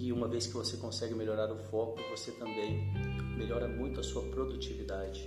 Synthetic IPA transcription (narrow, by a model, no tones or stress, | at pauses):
ɪũmɐveskɪvosekõsɛɡɪmeʎoɾaɾʊfɔkʊʊvoset̪ɐ̃mbẽj̃meʎɔɾɐmũj̃t̪ʊɐsuɐpɾod̪ut͡ʃivid̪ad͡ʒɪ